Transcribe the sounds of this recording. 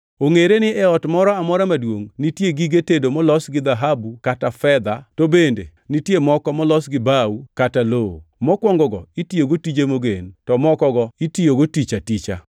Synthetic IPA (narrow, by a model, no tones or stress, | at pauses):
oŋeɾenɪɛɔtmɔɾɔamɔɾamadwoŋnitjeɡiɡetedomɔlɔsɡɪd̪aɦabukatafɛd̪atobendḛ | nitjemɔkɔmɔlɔsɡɪbawukataloo̰mɔkwɔŋɡɔɡɔ̰itijoɡotid͡ʒemoɡentɔmɔkɔɡɔitijoɡotit͡ʃatit͡ʃa̰